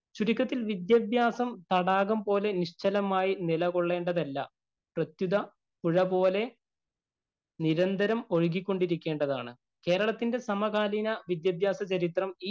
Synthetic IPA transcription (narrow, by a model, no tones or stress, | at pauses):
t͡ɕuɽikʲːɐt̪ːilʋid̪jɐbjaːsɐmt̪ɐɽaːɣumpo̞ːle̞niʂt͡ɕɐlɐmaːjinilɐɣo̞ɭːe̞ːɳɖɐðɐlːɐ̰ | prɐt̪juðɐ | puɻɐpo̞ːle̞ | niɾɐnd̪ʱɐɾɐmo̞ɻɡikʲːo̞ɳɖiɾikʲːe̞ːɳɖɐðaːɳɨ | ke̞ːɾɐɭɐt̪ːinde̞sɐmɐɣaːlinɐʋid̪jɐbjaːsɐt͡ɕɐɾit̪rɐm